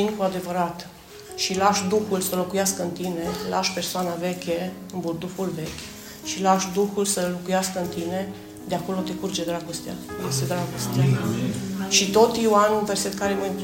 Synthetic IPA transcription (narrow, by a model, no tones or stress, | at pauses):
inkoad̪e̞vəɾat̪ | ʃilaʃd̪uxulsəlo̞kujaskəɨnt̪ine̞la̰ʃpe̞rsoanəve̞kʲeɨnburd̪ufulve̞kʲ | ʃilaʃd̪uxulsəlokujaskəɨnt̪ine̞ | d̪eako̞lo̞t̪e̞kurd͡ʒed̪ɾaɡo̞st̪eaumest̪ed̪ɾaɡost̪ea | ʃit̪o̞t̪iwanunve̞rse̞t̪kaɾemamp